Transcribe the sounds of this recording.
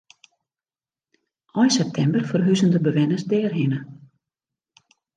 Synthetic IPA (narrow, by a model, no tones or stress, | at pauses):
ʔɔjsɛp̚tʰɛmbərfərɦyzəndəbəʋɛnəsdɛːrɦɪnə